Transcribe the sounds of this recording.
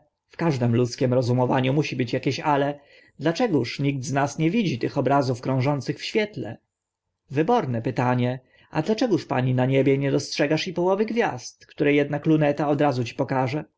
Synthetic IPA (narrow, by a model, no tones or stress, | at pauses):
fkaʐd̪ɛmlut̪skʲɛmɾɔzumɔvaɲumuɕibɘt͡ɕjakʲeɕalɛ | d̪lat͡ʂɛɡuʂɲiɡ̚d̪znasɲɛvʲid͡ʑit̪ɘxɔbɾazufkɾɔ̃w̃ʐɔnt̪sɘxfɕfʲjɛt̪lɛ̰ | vɘbɔɾnɛpɘt̪aɲɛ | ad̪lat͡ʂɛɡuʂpa̰ɲinaɲebʲjɛɲɛd̪ɔstʂɛɡaʂipɔwɔvɘɡvʲjast̪kt̪uɾɛjɛd̪naklunɛt̪aɔd̪ɾazut͡ɕi̥pɔkaʐɛ